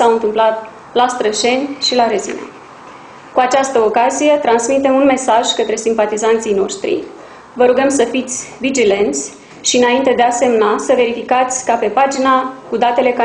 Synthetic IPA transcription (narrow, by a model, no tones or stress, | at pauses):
saɨnt̪ɨmplat̪̚ | last̪ɾəʃe̞nʲʃilaɾezḭna̰ | kuat͡ʃast̪əokazije̞t̪ɾansmit̪e̞munme̞saʒkət̪ɾe̞simpat̪izant̪sijno̞ʃt̪ɾḭ | vəɾuɡəmsəfit̪sʲvid͡ʒile̞nt̪sʲ | ʃiɨnaint̪e̞d̪ease̞mnasəve̞ɾifikat̪sʲkape̞pad͡ʒinakud̪at̪e̞le̞ka